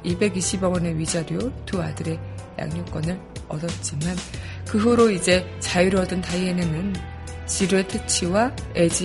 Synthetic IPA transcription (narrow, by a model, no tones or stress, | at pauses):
ibe̞ɡiɕʰibʌɡʌne̞ɥid͡ʑaɾjotua̰dɯɾe̞ja̰ŋɲok͈ʌnɯɭ | ʌdʌt̚t͡ɕ͈iman | kɯɦuɾoid͡ʑe̞t͡ɕajiɾʌdɯntaienɯnɯn | t͡ɕiɾɯɭtʰet͡ɕʰiwa | ed͡ʑi